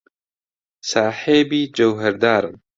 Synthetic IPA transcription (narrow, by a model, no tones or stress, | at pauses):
saːħeːbiːd͡ʒɐwɦɐɾd̪aːɾɨn